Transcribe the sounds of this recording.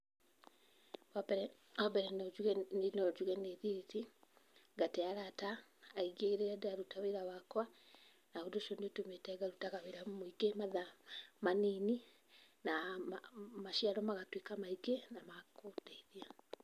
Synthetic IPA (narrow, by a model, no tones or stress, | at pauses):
kwapɛɾɛ | ɔbɛɾɛd͡ʒuɣnɔd͡ʒuɣɛneðiɾiti | ɡateaɾataːiɡeɣeɾeadeaɾutaweɾawakwa | naodoʃɔneotometɛɡaɾutaɣaweɾamoiɡemaðamanini | na | maʃiaɾɔmaɣatwekamaiɡenamakodeiðia